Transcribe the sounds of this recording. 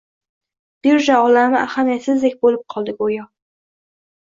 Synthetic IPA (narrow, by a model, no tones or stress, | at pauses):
b̥iɾʒaɒlaɾnɪʔaχamijat̪sɪzd̪ek̚ʲbolɪp̚qʰɒlˠd̪ɪkʲojɒ